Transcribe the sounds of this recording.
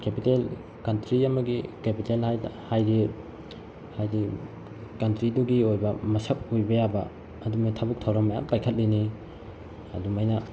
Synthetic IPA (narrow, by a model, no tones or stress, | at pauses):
kepitel | kɐntɾiɐmɐɡikepitelhajhajɾi | hajɾi | kɐntɾiduɡiojbɐmɐsɐp̚ojbɐjabɐ | ɐdumajtʰabuk̚tʰawɾɐmːɐja̰ŋpajkʰɐt̚lini | ɐ̰dumajnɐ